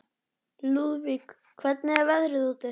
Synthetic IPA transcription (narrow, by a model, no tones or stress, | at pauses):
luðvik | kʰvɛt̪̚nɪɛɾvɛðɾɪðut̪ɪ